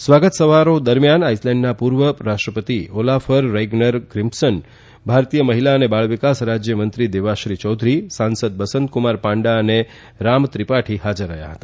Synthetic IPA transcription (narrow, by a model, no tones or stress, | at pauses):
sʋaɡət̪səʋaɾod̪əɾmjanaislɛ̃ɳɖnapuɾʋəɾaʃʈɾəpət̪iolafəɾːeɡnəɾɡɾɪmpsən | bʱaɾt̪ijəməɦilaənebaɭʋikasɾad͡ʒjəmənt̪ɾid̪eʋaʃɾit͡ʃɔd̪ʱɾisãnsəd̪̚bəsənt̪̚kumaɾpãɳɖaəne | ɾamt̪ɾipaʈʰihad͡ʒəɾːə̰ɦja̰ɦət̪a